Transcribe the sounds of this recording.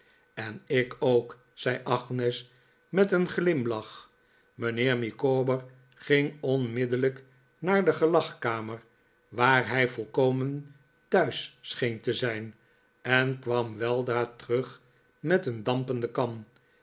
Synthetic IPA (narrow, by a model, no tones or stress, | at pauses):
ɛnɪkoʊk | sɛjʔɑχnɛs | mɛtənχlɪmlɑχ | mənɪːɹmikoːbəɹ | χɪŋɔnmɪdələk | naːɹdəχəlɑχkaːmər | ʋaːɹɦɛjfɔlˠkowmən | tœɥssχejntəzɛjn | ɛnkʋɑmʋɛlˠdraːtəʁøχ | mɛtəndɑmpəndəkɑm